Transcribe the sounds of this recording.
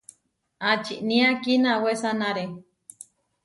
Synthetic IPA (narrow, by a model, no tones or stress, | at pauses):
at͡ʃiʔnĩakinawesanaɾe